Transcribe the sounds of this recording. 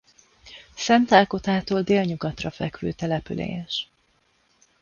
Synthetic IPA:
sɛnt̪aːlko̞t̪aːt̪oːld̪eːlɲuɡɒt̪rɒfɛkʋø̰ːt̪ɛlɛpylḛːɛʃ

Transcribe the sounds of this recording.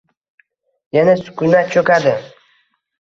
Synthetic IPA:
janasʊ̥kʲʊnat͡ʃʰɵkʲad̪ɪ

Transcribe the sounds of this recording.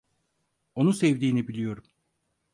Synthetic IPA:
o̞nusɛvd̪iːnibilʲijo̞ɾum

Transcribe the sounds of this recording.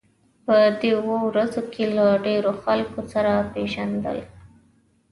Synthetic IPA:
pəd̪ewowɾazokelaɖeɾoxalkosaɾapeʒand̪ə̰l

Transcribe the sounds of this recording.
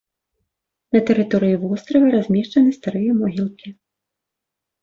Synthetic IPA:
nɐt̪ɛɾɨt̪ɔɾɨjivɔst̪ɾɐvʲɛɾazʲmʲɛʂt͡ʂɐnɨst̪aɾɨjɐmɔɣʲilˠkʲʰi

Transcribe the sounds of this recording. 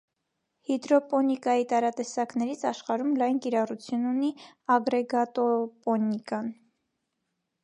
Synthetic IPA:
hid̪ɾɔpɔnikɑjit̪ɑɾɑt̪ɛsɑknɛɾit͡sʰɑʃχɑɾumlɑjnkiɾɑrut͡sʰjununiɑɡɾɛɡɑt̪ɔpɔnikɑn

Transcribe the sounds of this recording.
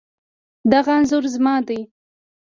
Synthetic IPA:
d̪aɣanzʊɾzmɑd̪aj

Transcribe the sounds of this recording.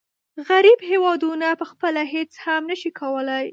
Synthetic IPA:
ɣaɾibhewɑd̪unapəxpəlaɦet͡shamnəʃikʰawəlaj

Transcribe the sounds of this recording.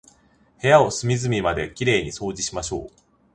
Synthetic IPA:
he̞jao̞sɨmʲizɨmʲimad̪e̞kʲiɾe̞ːɲ̟iso̞ːd͡ʑiɕimaɕo̞̰ː

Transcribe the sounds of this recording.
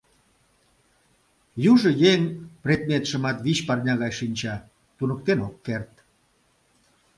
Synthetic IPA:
juʒə̆jeŋpret̪̚mʲet̪ʃəmɑt̪βit͡ɕpɑrnʲɑɣɑjʃinʲt͡ɕɑ | t̪unək̚t̪enokːert̪

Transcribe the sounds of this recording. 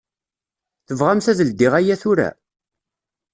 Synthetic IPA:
θəvʁamθæðəld̪iʁæjæθʊɾæ̰

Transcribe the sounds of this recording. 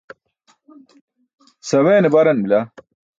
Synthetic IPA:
sɐweːnebɐɾɐnmila

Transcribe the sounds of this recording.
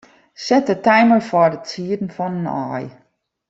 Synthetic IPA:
sɛt̚dətɛjməɹfɔdətsiədn̩fɔnənɔ̰ːj

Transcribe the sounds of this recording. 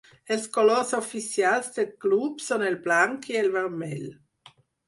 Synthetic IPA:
elskoloɾsofisjalsd̪elklubsonelblaŋkielveʁmɛl

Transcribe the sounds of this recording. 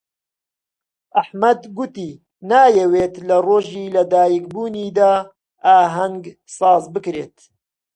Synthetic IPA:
ʔaħmɐd̪ɡʊt̪iː | naːjɛweːt̪lɐroːʒiːlɐd̪aːjik̚buːniːd̪aː | ʔaːɦɐŋɡ | sɑːzbɨkɾeːt̪

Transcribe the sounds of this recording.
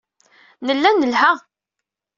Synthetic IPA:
nəlːænːəlha

